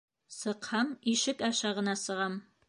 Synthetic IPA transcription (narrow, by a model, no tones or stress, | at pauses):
sɤqhɑmiʃɪkaʃɑʁə̆nɑsəʁɑm